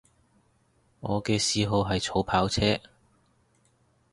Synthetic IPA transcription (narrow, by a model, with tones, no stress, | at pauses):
ŋɔː˨˧kɛː˧siː˨˧ɦo˨wɦɐ˨jt͡sʰo˨˥wpʰaː˨˥wt͡sʰɛː˥